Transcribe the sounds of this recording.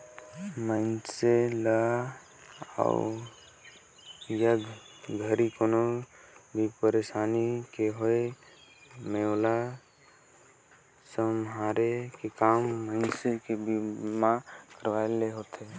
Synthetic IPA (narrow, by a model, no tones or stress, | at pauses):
məɪnselə | a̰ | jəd̪ | ɡʱəɾikonobʱipəɾesaːnikeɦoe | meola | səmɦaɾekekaːmːəɪnsekebimakəɾʋaeleɦot̪e